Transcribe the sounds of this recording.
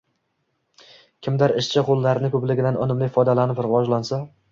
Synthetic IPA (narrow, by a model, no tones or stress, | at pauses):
kʲʰɪmd̪aɾɪʃt͡ʃʰɪqʰolˠːaɾɪnɪkʰʲɵplɪɡʲɪd̪anɒ̰nɪmlɪfɒjd̪alanɪpɾɪvɒd͡ʒlansa